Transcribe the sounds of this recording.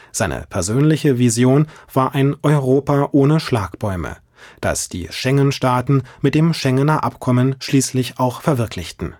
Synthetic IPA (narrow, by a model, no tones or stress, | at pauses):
z̥aɪnʔə̰pʰɛɐzøːnlɪçəvizjoːnv̥aːɐʔaɪnʔɔʏʁoːpaʔoːnəʃlaːkb̥ɔʏmə̰ | d̥a̰sd̥ḭːʃɛŋənʃtaːtn̩mɪt̚d̥eːmʃɛŋənɐʔapkʰɔmənʃliːslɪçaʊxfɛɐvɪɐkʰlɪçtn̩